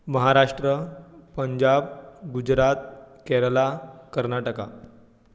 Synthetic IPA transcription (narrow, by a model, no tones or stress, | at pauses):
məɦaɾaʂʈɾəpəɲd͡ʑabɡud͡ʑɾat̪̚kɛɾəlakəɾnaʈəka̰